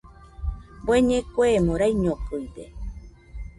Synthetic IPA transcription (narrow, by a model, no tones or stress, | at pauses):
bweɲẽkʷemõɾajɲopɨjd̪e